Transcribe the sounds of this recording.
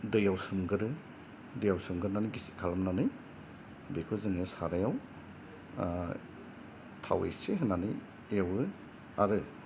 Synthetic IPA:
dɯjawsɯmɡɯɾɯ | dɯjawsɯmɡɯɾnanɯɡisi̥kʰalɯmnanɯj | bekʰɯzɯŋesaɾajaw | tʰa̰wḛseɦɯnanɯj | ejawɯ | aɾɯ

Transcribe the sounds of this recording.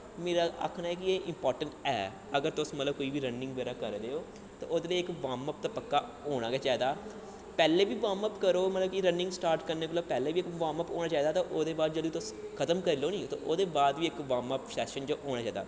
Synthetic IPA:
meːɾaːa̰ːkʰnaːɛːkɪeːʔɪmpɔːɾʈəɳʈɛ̰ː | əɡəɾt̪ʊsmət̪ləb̚koːiːʋiːɾənːɪ̃ŋɡʋeːɾaːkəɾɾeːoː | t̪ã̰ːʔoːd̪eːləiːɪkʋaːməp̚t̪aːpəkːaːoːɽ̃ãːɡeːt͡ʃaːd̪aː | pɛːleːʋiːʋaːməpkəɾoːmət̪ləbkiɾənɪ̃ŋɡsʈaːɾʈkəɾneːət̪ləbpɛːleːʋiːɪkʋãːməpo̰ːɽaːt͡ʃaːid̪aːt̪ãʔoːd̪eːbaːd̪d͡ʒəd̪ũːt̪ʊskʰət̪əmkəɾiːloːnĩːt̪ã̰ːʔoːd̪eːbaːd̪ʋiːɪkʋaːməpsɛːʃənd͡ʒoːɦoːɽaːt͡ʃaːd̪a̰ː

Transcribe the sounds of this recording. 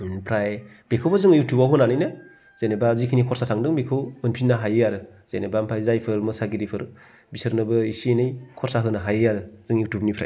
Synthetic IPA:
pʰɾaj | b̥ekʰɯwbazɯŋjutʰubaɦunanɯjnɯ | z̥enebazikʰinikʰɔɾsatʰaŋdɯŋbekʰɯwmɯnpʰinːaɦajɯjaɾɯz̥enebampʰajzajpʰɯɾmɯsaɡiɾipʰɯɾ | bisɯɾnɯbɯisienɯjkʰɔɾsaɦɯnaɦajɯjaɾɯzɯŋjutʰubnipʰɾa̰j

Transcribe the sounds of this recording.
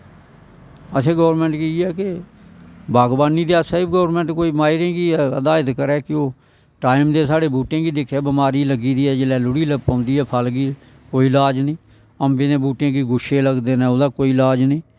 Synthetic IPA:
əsẽːɡɔːɾmɛ̃ːɳʈkɪiɛːke | baːɡbaːniːd̪eaːsəɪbɡoːɾmɛ̃ːɳʈkoːiːmaːɪɾẽːɡiːɛːə̰d̪aːɪt̪kəɾɛːkɪoː | ʈaːɪmd̪eːsaːɽeːbuːʈẽːɡiːd̪ɪkʰeːbəmaːɾiːləɡiːd̪iːɛːd͡ʒɪlɛːlʊɽiːləpãːnd̪iːɦɛːpʰəlɡiː | koːiːlaːd͡ʒnĩː | əmbɪnẽːbuːʈẽːɡiːɡʊʃeːləɡd̪eːnɛ̃ːod̪aːkoːiːlaːd͡ʒnĩː

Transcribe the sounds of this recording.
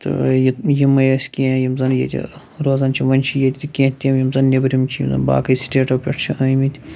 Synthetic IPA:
t̪ɨ̰jijimːɐjɐsʲkʲẽːjimzɐnjḛt̪ʲḭ | ɾoːzɐːnt͡ʃʰiʋɐnʲt͡ʃʰijɐt̪ʰʲit̪ikʲẽːt̪ʲemjimzɐnnʲebɾimt͡ʃʰijḭmzɐ̰nba̰ːkɐisi̥ʈeːʈɐpʲeʈʰt͡ʃʰiaːjmit̪ʲ

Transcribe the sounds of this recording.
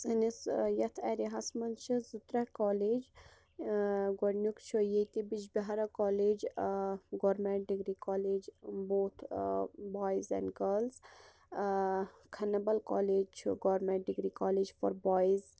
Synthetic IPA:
sɨnisjɐt̪ʰɛɾiɦasmɐnt͡ʃʰizut̪ɾɐkɔːleːd͡ʒ | ɡoɽnjukt͡ʃʰojejt̪ibid͡ʒbɐɦaɾɐkɔːleːd͡ʒ | ɡɔːɾmẽɳʈ̚ɖiɡɾikɔːleːd͡ʒboːt̪ʰbɔːjzɛ̰̃ɳɖɡɐlz | kʰɐnːɐbɐlkɔ̰ːleːd͡ʒt͡ʃʰuɡɔːɾmeɳʈ̚ɖiɡɾikɔːleːd͡ʒfɔ̰ɾbɔːjz

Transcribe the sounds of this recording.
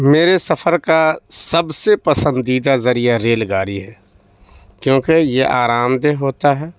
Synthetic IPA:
meːɾesəfʰəɾkasəbsepəsə̃nd̪iːd̪azɐɾijaɾeːlɡaːɾiɦɛː | kjõːkejeʔaːɾaːmd̪eɦoːt̪aɦɛː

